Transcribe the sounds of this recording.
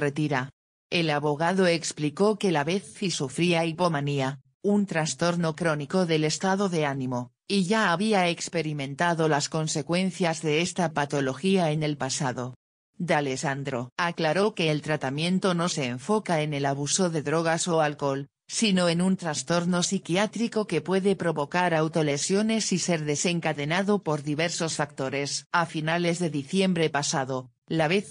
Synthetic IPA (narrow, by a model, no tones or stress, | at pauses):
ret̪iɾa | e̞laβo̞ɣ̞aðo̞ekspliko̞ke̞laβe̞θːisufɾiaipo̞mania | unt̪ɾast̪o̞ɾno̞kɾo̞niko̞ðe̞le̞st̪aðoðe̞anĩmo̞ | iʝaːβiae̞kspe̞ɾimẽ̞nt̪aðo̞lasko̞nse̞kwẽ̞n̟θjazðe̞est̪apat̪o̞loxiae̞ne̞lpasaðo̞ | d̪ale̞sand̪ɾo̞aklaɾo̞ke̞ːlt̪ɾat̪amjẽ̞nt̪o̞no̞se̞ːɱfo̞kae̞ne̞laβ̞uso̞ðe̞ðɾo̞ɣ̞aso̞alko̞l | sino̞enunt̪ɾast̪o̞ɾno̞sikjat̪ɾiko̞ke̞pwe̞ðe̞pɾo̞βo̞kaɾawt̪o̞lesjo̞ne̞sise̞ɾðe̞se̞ŋkaðe̞naðo̞po̞ɾðiβe̞ɾso̞sfak̚t̪o̞ɾe̞safinale̞zðe̞ðiθje̞mbɾe̞pasaðo̞ | laβe̞θ